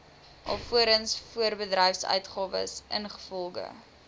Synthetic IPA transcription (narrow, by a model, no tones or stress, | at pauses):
ʔɑ̰fuəɾənsfuərbədrɛjfsœ̰ɥtχɑːvə̰sə̰nχə̥fɔlˠɡə̰